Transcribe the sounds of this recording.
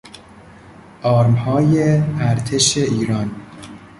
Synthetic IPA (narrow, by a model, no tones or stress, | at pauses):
ʔɒːɾmhɒːjeæɾt̪ʰe̞ʃeʔiːɾɒːn